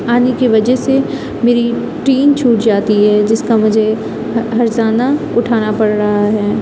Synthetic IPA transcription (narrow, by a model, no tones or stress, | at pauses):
aːnikiʋɐd͡ʒɛɦse | meːɾi | ʈiːnt͡ʃʰuːʈd͡ʒaːt̪iɦɛːd͡ʒɪskamʊd͡ʒʱe | ɦɐɾzaːna | ʊʈʰaːnapɐɽɾɐɦaɦɛː